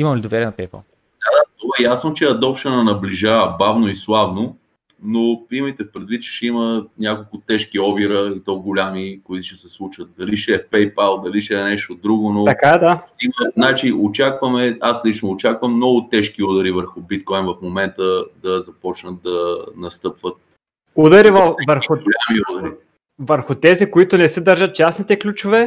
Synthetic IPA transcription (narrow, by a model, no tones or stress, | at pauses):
imɐmlid̪ovɛɾiɛnɐpɛjpa̰lˠ | d̪at̪ovaɛjasnot͡ʃɛɐd̪ɔpʃɐnɐnɐbliʒavəbavnoislˠavno | noimit̪ɛpɾɛd̪vitt͡ʃʃɛimənʲjakolˠkʊt̪ɛʃkiɔbiɾəit̪ɔɡʊlʲamikʊit̪uʃɛsɛslˠut͡ʃvət̪̚d̪ɐliʃɛɛpɛjpalˠd̪ɐliʃɛɛnɛʃt̪od̪ɾuɡonot̪ɐkad̪aiməznat͡ʃiʔot͡ʃakvəmɛaslit͡ʃnoːt͡ʃakvəmːnɔɡʊt̪ɛʃkiud̪əɾivəɾxʊbit̪̚kɔjnvɐfmomɛnt̪əd̪ɐzɐpɔt͡ʃnət̪̚d̪ɐnɐst̪ɤpvət̪̚ | ud̪ɐɾivɐvəɾxʊɡolʲamiud̪əɾi | vəɾxʊt̪ɛzikoit̪ʊnɛsɛd̪ɐɾʒɐt̪̚t͡ʃasnit̪ɛklʲut͡ʃovɛ